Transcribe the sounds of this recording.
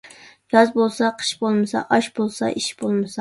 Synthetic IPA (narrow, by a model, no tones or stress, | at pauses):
ɡɑzbolˠsɑqʰə̥ʃbolˠmɨsɑ̰ʔɑʃbolˠsɑ̰ʔiʃbolˠmɨsɑ